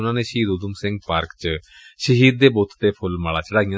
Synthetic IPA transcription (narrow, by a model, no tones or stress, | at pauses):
ʊnãːneʃiːd̪ud̪ʊmsɪ̃ŋɡ̚paːɾkt͡ʃə | ʃəɦiːd̪̚ːeːbot̪t̪epʰʊlmaːɭaːt͡ʃəɽaːɡɪjã